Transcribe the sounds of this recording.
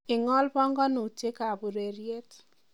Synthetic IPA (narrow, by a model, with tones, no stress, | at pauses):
ɪ˨ŋɔ˦lbɔ˦ŋɡɔ˦nʊ˨t͡ʃe˦ka˨bu˨ɾe˨ɾje˦t